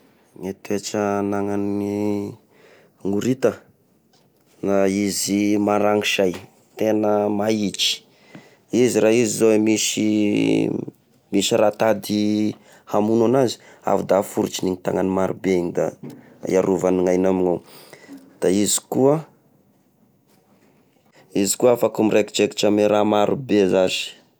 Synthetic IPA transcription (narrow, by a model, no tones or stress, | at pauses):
ŋet̪uet͡ʃənaŋani | ŋuɾit̪ə | naizimaɾaŋiʃaj | t̪enəmait͡ʃi̥ | iziɾaizizoemiʃḭ | miʃiɾat̪ad̪i | hamunanazi̥ | a̰vud̪afuɾut͡ʃiniŋit̪a̰ŋanimaɾubeind̪a̰ | ḭaɾuvaniŋajnamiŋa | d̪̥aizi̥kuə | izi̥kuaafakumireki̥t͡ʃeki̥ʈ͡ʂameɾamaɾubezazi̥